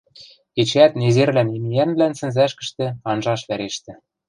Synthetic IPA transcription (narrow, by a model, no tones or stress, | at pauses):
ket͡ɕæt̪nezerlænimijænβlænsɘ̆nzæʃkə̆ʃt̪ĕɑnʒɑʃβæɾeʃt̪ɘ̆